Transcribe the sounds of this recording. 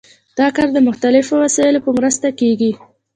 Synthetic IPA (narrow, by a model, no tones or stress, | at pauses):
d̪̥ɑkaɾd̪əmʊxt̪alɪfowasɑɪlopəmɾəst̪akeɡi